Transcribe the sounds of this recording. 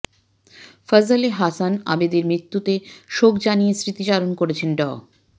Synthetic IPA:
fəzəleɦasana̰bed̪eɾmɾit̪ːut̪eʃokd͡ʑanijesɾit̪iʃalonkoɾet͡ɕʰenɖɔ̰

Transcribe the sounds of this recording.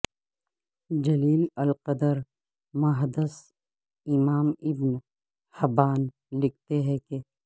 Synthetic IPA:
d͡ʒɐliːlɐlqəd̪əɾ | mɐɦd̪əs | ɪmaːmɪbn | hɐbaːn | lɪk̚ʰt̪eɦɛ̃ke

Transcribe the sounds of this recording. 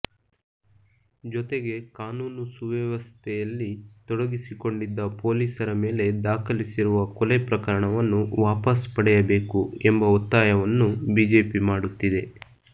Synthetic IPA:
d͡ʒɔt̪e̞ɡe̞kaːnuːnusuʋɛʋɐst̪ʰɛjɐlːit̪ɔɽɐɡisiko̞ɳɖid̪ːɐpo̞ːliːsɐɾɐmeːle̞d̪aːkʰɐlisiɾuʋɐkɔlepɾɐkɐɾɐɳɐʋɐnːuʋaːpɐspɐɽɛjɐbe̞ːkuembɐɔt̪ːaːjɐʋɐnːubiːd͡ʒe̞ːpimaːɽut̪ːid̪e̞

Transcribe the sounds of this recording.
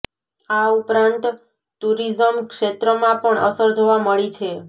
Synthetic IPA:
aupɾãnt̪ | t̪uɾizəmkʃet̪ɾəmãpəɳʔə̰səɾd͡ʒoʋaməɭit͡ʃʰe

